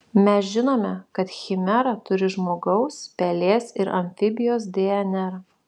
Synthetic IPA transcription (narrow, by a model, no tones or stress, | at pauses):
mʲɛsʒʲɪnoːmʲɛkɐt̪xʲɪmʲɛɾɐt̪ʊɾʲɪʒmoːɡɐʊspʲɛlʲeːsɪɾɐ̰mʲfʲɪbʲɪjoːs̬d̪ʲeɛnʲɛɾ